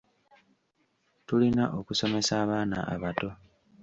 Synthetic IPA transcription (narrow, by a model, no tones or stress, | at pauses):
tulinaʔo̞kuso̞me̞saːβaːna̰ʔa̰βato̞